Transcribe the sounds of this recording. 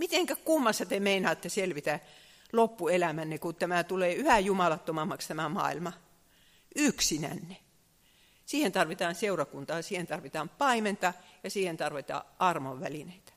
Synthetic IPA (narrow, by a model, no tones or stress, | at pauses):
mit̪eŋkækumːɑsːɑt̪emeinɑːt̪ːeselʋit̪æ | lopːuelæmænːekut̪æmæˑt̪uleːyhæjumɑlɑt̪ːomɑmːɑkst̪æmæmɑ̰ːilmɑ | yksinæ̰nːe | siːhent̪ɑrʋit̪ɑːnseurɑkunt̪ɑːsiːhent̪ɑrʋit̪ɑːmpɑiment̪ɑjɑsiːhent̪ɑrʋit̪ɑ̰ːʔɑrmoʋʋælineit̪æ̥